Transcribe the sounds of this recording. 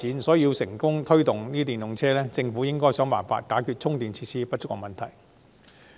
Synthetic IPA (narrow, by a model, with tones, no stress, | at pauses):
iː˨˥nsɔː˨˥ji˧wsɪ˨˩ŋkʊ˥ŋt̪ʰɵ˥ɥt̪ʊ˨ŋniː˥t̪iː˨˩nʊ˨ŋt͡sʰɛː˥lɛː˥t͡sɪ˧ŋfuː˨˥jɪ˥ŋkɔː˥jsœː˨˥ŋma̰ː˨˩nfa̰ː˧t̚kaː˨˥kʰyː˧t̚t͡sʰʊ˥ŋt̪iː˨nt͡sʰiː˧tsiː˥pɐ˥t̚t͡ʃʊ˥k̚ɔ̰ː˨˧mɐ˨nt̪ʰɐ˨˩j